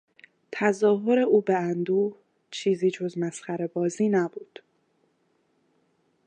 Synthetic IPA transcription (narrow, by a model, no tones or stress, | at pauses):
t̪ʰæzɒːɦo̞ɾe̞ʔuːbeænd̪uː | t͡ʃʰiːziːd͡ʒo̞zmæsxæɾebɒːziːnæbuːd̪̥